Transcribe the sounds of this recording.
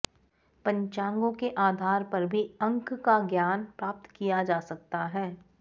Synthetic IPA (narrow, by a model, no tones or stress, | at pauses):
pɐ̃ɲt͡ʃãːŋɡõkeʔaːd̪ʱaːɾpɐɾbʱiɐ̃ŋkkaɡjaːnpɾaːp̚t̪kijad͡ʒaːsɐk̚t̪aɦɛː